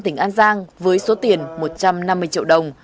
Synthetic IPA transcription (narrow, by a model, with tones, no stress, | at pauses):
t̪ï˧˩ŋʔaː˧nzaː˧ŋvəː˨˦jso˨˦t̪i˨˩ənmo˨˩t̚t͡ɕa˧mna˧mːɨ˧əjt͡ɕḭ˧˨əwɗə˨˩wŋ͡m